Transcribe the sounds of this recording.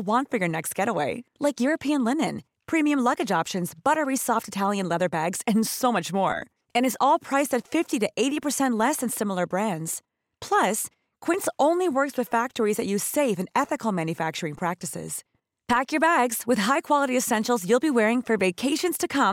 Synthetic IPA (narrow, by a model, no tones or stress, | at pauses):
wɑ̃ntfə˞jə˞nɛkst̚ɡ̥ɛɾəweɪlaɪkjʊɹɨpʰiɨ̃nlɪ̃nɨ̃n | pʰɹ̥ĩmiɨ̃mlʌɡɨd͡ʒɑpʃɨ̃nzb̥ʌɾə˞isɔftɨtʰælˠjɨ̃nlɛðə˞bæɡz̥ɨ̃nsoʊmʌt͡ʃmɔ̰ɹ | ɨ̃ñɨzɔlˠpʰɹ̥aɪsɨtfɪftiɾɨʔeɪɾipə˞sɛ̃nʔlɛsɨ̃nsɪ̃ml̩ˠə˞bɹæ̃ndz̥ | pʰl̥ʌs | kʰw̥ɪ̃ntsõʊ̃nliwɜ˞kswɨð̥fæk̚tə˞izðɨt͡ʃɨseɪvɨ̃nɛθɨkl̩ˠmæ̃njɨfæk̚t͡ʃə˞ɪ̃ŋpʰɹ̥æk̚tɨsɪ̰z̥ | pʰækjə˞bæɡz̥wɨð̥ɦaɪkʰw̥ɑlˠəɾiɨsɛ̃nʃl̩ˠzjulˠbiwɛɹɪ̃ŋfə˞veɪkʰeɪʃɨ̃nz̥tʰɨkʰʌ̃m